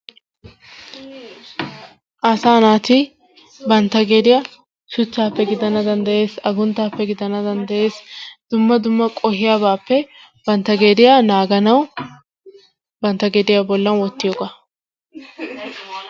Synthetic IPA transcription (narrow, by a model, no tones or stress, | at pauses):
ʔɐsaːnaːt̪ɪ | bɐnt̪ːɐɡe̞ːd̪ɪja | ʃʊt͡ʃːaːpːɛɡɪd̪ɐnɐd̪ɐnd̪ɐje̞ːsɐɡʊnt̪ːaːpːɛɡɪd̪ɐnɐd̪ɐnd̪ɐjeːsd̪̥ʊmːɐd̪ʊmːɐkʼɔhɪjaːbaːpːɛ | b̥ɐnt̪ːɐɡe̞ːd̪ɪjaːnaːɡɐnɐw | bɐnt̪ːɐɡe̞ːd̪ɪjabɔlːɐnwɔt̪ːɪjoɡa